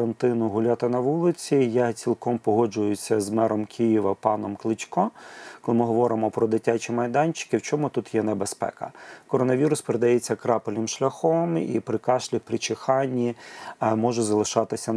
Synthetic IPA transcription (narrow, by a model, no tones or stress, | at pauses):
ɐnt̪ɪnʊɦʊlʲat̪ɪnɐʋulˠɪt͡sʲijat͡sʲilˠkɔmpɔɦɔd͡ʒʊjʊsʲɐzmɛɾɔmkʲʰijiʋɐpɑnɔmklˠɪt͡ʃʲkɔkɔlˠɪmɪɦɔʋɔɾɪmɔpɾɔd̪ɪtʲːat͡ʃimɐjd̪ɑnʲt͡ʃɪ̥kɪwt͡ʃɔmʊt̪ut̪jɛnebespɛ̰kɐ̰kɔɾɔnɐʋʲiɾʊspeɾed̪ɐjɛt͡sʲːɐkɾɑpɪlʲnɪmʃlʲɐxɔmḭpɾɪkɑʃlʲipɾɪt͡ʃɪxɑnʲːimɔʒɛzɐlˠɪʃɑt̪ɪsʲɐ